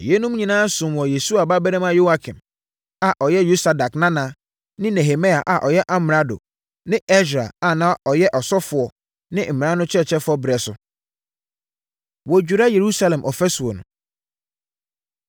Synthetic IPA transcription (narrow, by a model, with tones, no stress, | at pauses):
je˦nũ˦m˦ɲĩ˨nãː˦sʊ̃˨m˨wɔ˨je˨su˦a˨ba˦bɛ˦ɾɛ̃˦mã˦jo˦a˨kʰɪ̃˨m | a˨ʔɔ˨jɛ˦ju˦sa˨da˨knã˦nã˨˦ | nɪ̃˦nɛ˨ɦe˨me˦a˨ʔa˨ʔɔ˨jɛ˦ʔa˦m˨ɾa˦do̰˨ | nɪ̃˦ɛ˦sɾa˨a˨nã˦ʔɔ˨jɛ˦ʔɔ˨sɔ˦fʊ˨ɔ˨ | nɪ̃˦m̩˨mɪ̃˨ã˦nʊ̃˦t͡ɕʰɛ˦˨t͡ɕʰɛ˦fʊ˦ɔ˦bɾɛ˨sʊ̰˨ | wɔ˨d͡ʑᶣu˨ɾa˦je˨ɾu˦sa˦lɛ̃˨mʔɔ˨fɛ˦sʊ˨ɔ˨nʊ̰̃˨